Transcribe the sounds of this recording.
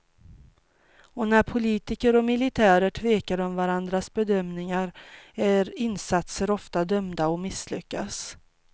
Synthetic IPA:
ɔnæɾpʰʊliːt̪ɪkəɾɔmɪlɪt̪ʰæːɾəʈʰveːkaɾɔmvaɾand̪ɾasbɛd̪œmnɪŋaɾæɾɪnsat̪səɾɔft̪ad̪œmd̪aɔmɪslʏkːas

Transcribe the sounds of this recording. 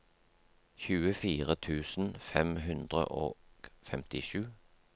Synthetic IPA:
çʉːəfiːʁət̪ʰʉːsn̩fɛmɦʉnd̪ʁə̰ʔo̰ːfɛmt̪ɪʃʉː

